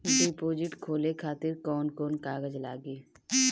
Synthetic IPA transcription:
ɖipoːd͡ʒɪʈkʰoːlekʰaːt̪ɪɾkɔːnkɔːnkaːɡəd͡ʒlaːɡiː

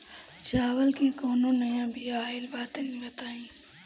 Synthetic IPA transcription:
t͡ʃaːwəlkikoːnonəjãbʱiaɪlbaːt̪enĩbət̪aːĩː

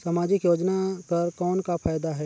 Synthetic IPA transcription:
saːmaːd͡ʒɪkjoːd͡ʒnakɐɾkɔːnkapʰaːjd̪aɦɛː

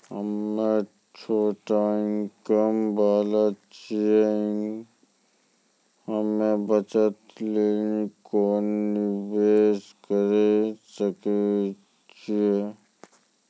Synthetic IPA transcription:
həmːẽ | t͡ʃʰoːʈaĩŋkəmbaːlat͡ʃieĩ | həmebət͡ʃət̪leːnikoːnːɪweːskəɾesəke | t͡ʃie

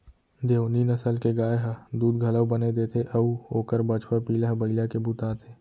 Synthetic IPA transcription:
d̪eːoninɐsəlkeɡaːeɦəd̪uːd̪ɡʱɐləwbəned̪eːt̪ʰeʔɐoːkəɾbət͡ʃʰpəpiːlɦbɐɪlakebut̪aːt̪ʰeː

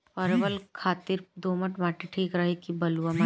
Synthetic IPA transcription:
pəɾbəlkʰaːt̪ɪɾd̪oːməʈmaːʈeʈʰiːkɾɐɦekibɐluʋama

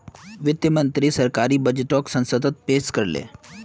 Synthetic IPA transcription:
ʋɪt̪jəmə̃nt̪ɾisɐɾkaːɾiːbəd͡ʒeʈoːksə̃nsəd̪ət̪̚peːskəɾlḛː

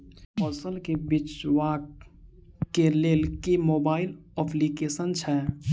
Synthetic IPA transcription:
ɔːsəlkebɪt͡ʃwaːkː | eleːlkemoːbaːɪlɔplikeːsənt͡ʃʰɛ

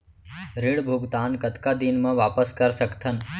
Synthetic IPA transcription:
ɾiɽbʱuɡt̪aːnkət̪kad̪inmə̃ʋaːpəskəɾsəkt̪ʰən

